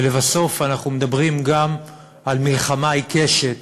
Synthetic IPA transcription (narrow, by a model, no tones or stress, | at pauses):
levaso̞fanaχnumed̪abʁimɡam | almilχamajkeʃet